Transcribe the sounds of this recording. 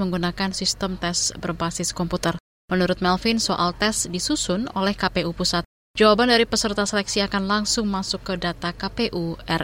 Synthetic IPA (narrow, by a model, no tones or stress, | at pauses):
məŋɡunakansist̪əmt̪ɛsbərbasɪskɔmput̪ər | mənuɾʊt̪̚mɛlfinsoʔalt̪ɛsdisusʊnolɛhkapeʔupusat̪̚ | d͡ʒawabandaɾipəsərt̪asəlɛksiakanlaŋsʊŋmasʊkːədat̪akapeʔuʔɛr